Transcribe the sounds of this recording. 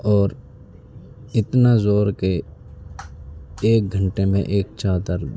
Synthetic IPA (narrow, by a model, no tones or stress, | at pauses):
ɔːɾ | ɪt̪nazoːɾke | eːk̚ɡʱə̃ɳʈemḛ̃ʔeːk̚t͡ʃʰaːt̪əɾ